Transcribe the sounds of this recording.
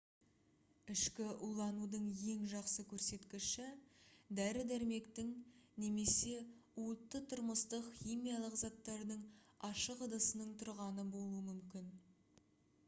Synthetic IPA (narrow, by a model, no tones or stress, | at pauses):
ɪʃkʲɪʔulˠɑnud̪əɴje̞ŋʒɑqsəkʲʰɵɾse̞t̪kʲɪʃɪd̪æɾɪd̪æɾme̞kt̪ɪŋne̞me̞se̞uət̪ːət̪ʰʊɾməst̪əqxʲijmʲijalˠəqzɑt̪ːɑɾd̪əɴɑʃəqəd̪əsənəɴt̪ʰʊɾʁɑnəbo̞lˠuəmʏmkʲɪn